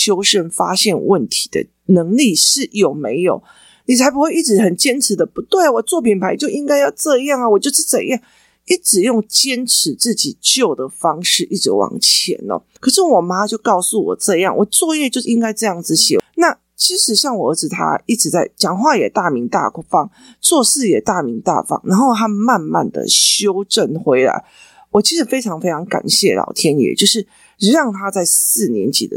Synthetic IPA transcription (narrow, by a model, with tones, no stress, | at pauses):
ɕjo˥ʊʂə˥˧nfa˦ɕjɛ˥˧nwə˥˨˩nt̪ʰi̥˧˥d̪ə̰˨˩ | nə˧˥ŋli˥˨ʂɻ̩˥˩jo˨˩ʊme˧˥ɪjo˨˩ʊ | ni˨t͡sʰa˧˥ɪp̬u˧˦xwe˥˧ɪi˥˩ʈ͡ʂɻ̩˧˥xə˨˩nt͡ɕjɛ˥nʈ͡ʂ̩ʰ˨˧˦d̪ə˧pu˧˦t̪we˥˩ɪa˨˩wɔ˨˩t͡swɔ˥˩pʰi˨˩npʰa˧˦ɪt͡ɕjo˥˩ʊʔi˦˥ŋka˥ɪjɑ˥˧ʊʈ͡ʂɤ˥˧jɑ˥˩ŋə˨wɔ˨˩t͡ɕjo˥˧ʊʂɻ̩˥˩t͡sə̰˨˩njɑ˥˩ŋ | i˥˩ʈ͡ʂɻ̩˨˩jo˥˩ŋt͡ɕjɛ˥nʈ͡ʂ̩ʰ˧˥t͡sɹ̩˥˩t͡ɕi˨˩t͡ɕjo˥˩ʊd̪ə˩fɑ˥ŋʂɻ̩˥˧ʔi˥˩ʈ͡ʂɻ̩˧˥wɑ̰˨˩ŋt͡ɕʰjɛ̰˧˦nɐ̰˦kʰɤ˨˩ʂ̬ɻ̩˥˩wɔ˨˩ma˦˥t͡ɕjo˥˧ʊkɑ˥˧ʊsu˥˩wɔ̰˨˩ʈ͡ʂɤ˥˧jɑ˥˩ŋwʔɔ˨˩t͡swɔ˥˧jɛ˥˧t͡ɕjo˥˧ʊʂi˥ŋka˥ɪʈ͡ʂɤ˥˧jɑ˥˩ŋd͡zɹ̩˨ɕɛ̰˨˩na˥˨ | t͡ɕʰi˧˥ʂɻ̩˧˥ɕjɑ˥˩ŋwɔ˨˩ə˞˧˥ʈ͡ʂ̩˨˩t̪ʰa̰˥i˥˩ʈ͡ʂ̩˨˥t͡sa˥˩ɪt͡ɕɑ˨˩ŋxwa˥˩jɛ˨˩t̪a˥˩mi˧˥ŋt̪a̰˥˧fɑ˥ŋ | t͡swɔ˥˧sɹ̩˥˩jɛ˨˩t̪a˥˩mi˧˥ŋt̪a̰˥˩fɑ̰˥ŋna˧˥nxo˥˩˧t̪ʰa˥˧ma˥˧nma̰˥˨˩nd̪ə̰˨˩ɕjo˥ʊʈ͡ʂə˥˩nxwe˧˥ɪla̰˧˥ɪ | wɔ˨˩t͡ɕʰi˧˥ʂɻ̩˧˥fe˥ɪʈ͡ʂʰɑ˧˥ŋfe˥ɪʈ͡ʂʰɑ˧˥ŋka̰˨˩nɕjɛ˥˩lʔɑ̰˨˩ʊt̪ʰjɛ˦˥njɛ̰˨˩˦t͡ɕjo˥˧ʊʂɻ̩˥˩ | ɻ̩˧˥ɻɑ˥˩ŋt̪ʰa˥t͡sa˥˧ɪs̩˥˩njɛ˧˥nt͡ɕḭ˨˩d̪ə˦